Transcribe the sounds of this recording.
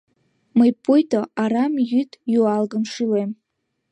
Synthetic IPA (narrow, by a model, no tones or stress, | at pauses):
majpʼujtʰʼaaɾamjytʼjualɡɨmʂɨlejm